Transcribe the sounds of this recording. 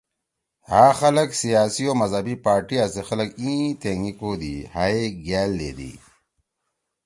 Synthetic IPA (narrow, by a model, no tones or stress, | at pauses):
haːxɐlɐksijaːsioːmɐzɐbipaːɾʈiasexɐləkĩːt̪eːŋɡikoːd̪ihaːeɡaːlːḛːd̪ḭ